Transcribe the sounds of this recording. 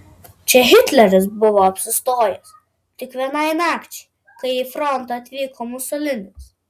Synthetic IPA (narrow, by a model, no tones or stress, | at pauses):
t͡ʃʲɛɦʲɪt̪ʲlʲɛɾʲɪsbʊʋoɐpʲsʲɪst̪oːjɛs | t̪ʲɪkʋʲiɛnɑˑɪmʲæːkt͡ʃʲɛ̥ɪ | kɐɪifɾɔnt̪ɐɐt̪ʲʋʲiːkomʊsɔlʲɪnʲɪs